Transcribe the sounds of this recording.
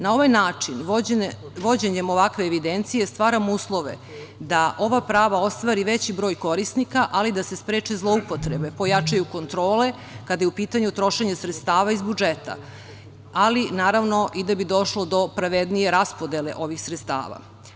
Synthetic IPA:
nao̞ʋajnaːt͡ʂin | ʋo̞d͡ʑeɲemo̞ʋakʋe̞ːʋid̪ent̪sijest̪ʋaːɾamuːslˠo̞ʋḛ | d̪aʔo̞ʋapɾaːʋao̞st̪ʋaːɾiʋet͡ɕibɾo̞ːjko̞ɾisnikaʔalid̪ase̞spɾeːt͡ʂezlˠo̞upo̞t̪ɾebe̞po̞jat͡ʂajuko̞nt̪ɾo̞ːle̞ | kad̪ajeupiːt̪aɲut̪ɾo̞ʃeɲesɾet̪st̪aːʋaizbud͡ʒet̪a̰ | alinaːɾaʋno̞ʔid̪abid̪o̞ʃlˠo̞d̪o̞pɾaʋed̪nije̞ɾaspo̞d̪elḛʔo̞ʋixsɾet̪st̪a̰ːʋa̰

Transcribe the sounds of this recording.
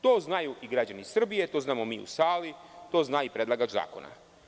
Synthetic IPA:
t̪o̞ːznajuʔiɡɾad͡ʒanisr̩bije̞t̪o̞znaːmo̞miːṵsaːlit̪o̞ːznaːipɾe̞d̪lˠaɡad͡ʒza̰ːko̞̰na̰

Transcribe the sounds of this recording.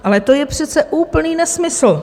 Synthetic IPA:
ʔalɛt̪o̞jɛpr̝̥ɛt̪t͡sɛʔuːpl̩niːnɛsmɪsl̩

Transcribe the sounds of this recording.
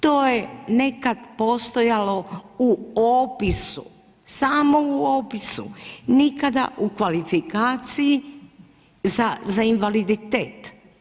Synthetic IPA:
t̪oːjene̞kad̪poːst̪o̞jalo̞uoːpisṵ | saːmouoːpisṵnikad̪a̰ʔukʋalifikaːt̪siji | zazainʋalid̪it̪eːt̪

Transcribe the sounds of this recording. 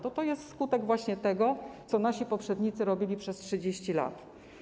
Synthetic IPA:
t̪ɔt̪ɔjɛst̪skut̪ɛɡvwaɕɲɛt̪ɛɡɔt̪sɔnaɕipɔpʂɛd̪ɲit̪sɘɾɔbʲilʲipʂɛstʂɘd͡ʑeɕt͡ɕila̰t̪

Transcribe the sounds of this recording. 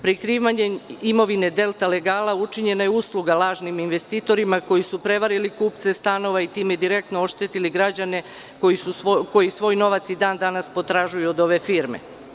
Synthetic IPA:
pɾikɾiːʋaɲeimo̞ʋine̞d̪e̞lˠt̪ale̞ɡaːlaut͡ʃiɲe̞najeuslˠuɡalˠaːʒniminʋe̞st̪iːt̪o̞ɾimako̞jisupɾe̞ʋaɾilikuːp̚t̪se̞st̪ano̞ʋait̪iːmed̪iɾe̞k̚t̪noo̞ʃt̪et̪iliɡɾad͡ʑane̞ | koisuko̞jisʋo̞ːjno̞ʋat̪sid̪aːnd̪anaspo̞t̪ɾaʒujuod̪o̞ʋe̞fiːɾmḛ

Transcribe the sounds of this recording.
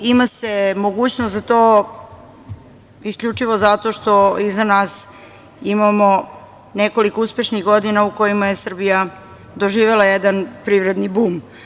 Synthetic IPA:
imasemoɡuːt͡ɕnost̪zat̪oː | iskʎʲut͡ʂiʋozat̪o̞ʃt̪o̞izanaːs | imamo | neko̞likouspe̞ʃniɣɡod̪inauko̞jimajesr̩bija | d̪oʒiːʋe̞lˠajed̪anpɾiʋɾe̞d̪nibuːm

